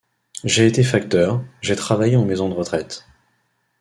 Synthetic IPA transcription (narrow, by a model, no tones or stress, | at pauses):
ʒeːt̪efakt̪œʁʒet̪χavajeɑ̃mezɔ̃d̪əʁət̪χɛt̪